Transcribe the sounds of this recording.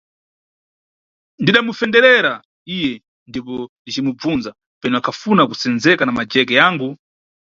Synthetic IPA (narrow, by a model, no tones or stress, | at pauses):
ndiɗamufɛndɛɾɛɾa | ijɛ | ndip̬ɔndit͡ʃimub͡vunza | pɛnɔakʰafunakusɛnzɛkanamad͡ʒɛkɛjaːŋɡu